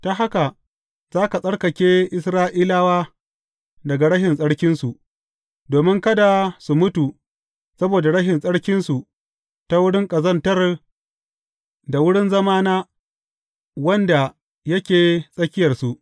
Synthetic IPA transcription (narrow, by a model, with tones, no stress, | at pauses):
ta˦ɦa˦ka˨ | z̥aː˦ka˨sʼɐ˦ɽkɐ˨kʲeː˦ʔɪ˦sɾaː˦ʔiː˦laː˦waː˦ | dɐ˨ɡa˨ɽɐ˦ʃɪ˨nsʼɐ˦ɽkʲɪ˦nsu˨ʔ | doː˨mɪ˦ŋkɐ˦da˨su˨mʊ˦tu˨ | sɐ˦boː˨da˨ɽɐ˦ʃɪ˨nsʼɐ˦ɽkʲɪ˦nsu˨ | ta˦wʊ˦ɽɪ˦ŋkʼɐ˨zɐ˦ntɐ˦r | da˨wʊ˦ɽɪ˦nzɐ˦maː˦naː˦ | wɐ˦nda˨ | jɐ˦kʲeː˨sʼɐ˦kʲɪ˦jɐ˨rsu˨ʔ